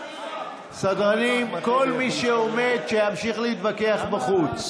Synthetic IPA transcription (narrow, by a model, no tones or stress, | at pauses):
sad̪ʁanimko̞lmiʃeomed̪ʃejamʃiχleit̪vake̞aχbaχut͡s